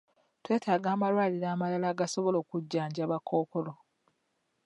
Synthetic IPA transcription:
twe̞ːtʰaːɡaːmalwaːliɾaːmalalaɡasoβo̞lo̞ːkuɟːaːɲɟaːβako̞ːko̞lo

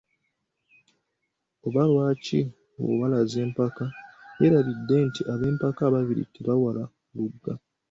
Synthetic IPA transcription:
oβalwaːcḭ | o̰walaze̞ːmpakaeɾalidːe̞ntiʔaβe̞ːmpakaːβaviɾḭteβawala | luɡːa

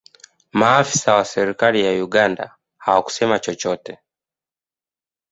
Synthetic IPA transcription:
maːfi̥sawasɛɾikalijajuɡanda̰ | hawaku̥sɛmat͡ʃɔt͡ʃɔtɛ

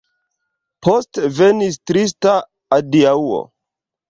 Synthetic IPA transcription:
pʰostvenis̬tɾis̬taː | diauo̰

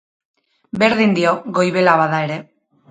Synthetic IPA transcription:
be̞ɾðind̪io̞ɣo̞jβe̞laβaðae̞ɾe̞

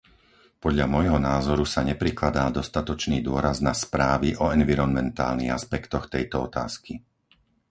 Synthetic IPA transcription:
pɔd̪ʎamɔjɦɔnaːzɔɾusaɲɛpɾiklad̪aːd̪ɔst̪at̪ɔt͡ʃniːd̪ʊɔɾaznaspɾaːʋiʔɔɛnʋiɾɔnmɛnt̪a̰ːlniɣaspɛkt̪ɔxt̪ɛjt̪ɔɔt̪a̰ːski

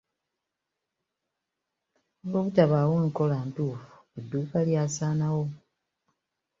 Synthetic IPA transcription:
ɡoβutaβaːwoŋko̞laːntuːfu̥udːuːkaljasaːnawo̞

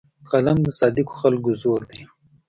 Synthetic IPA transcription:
kɐlamd̪əsɑːd̪ɪko̥xalkʊzoːɾd̪e

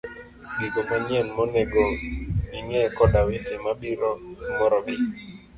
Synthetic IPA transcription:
biɡomanjɛnmɔneɡoiŋɛkɔdawetemabiɾomɔɾɔbɪ

